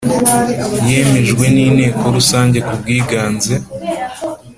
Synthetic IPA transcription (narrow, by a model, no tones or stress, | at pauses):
je̞ːme̞ʒɡwe̞niːne̞ːko̞ɾusaːɲɟe̞kubɡiːɡaːnze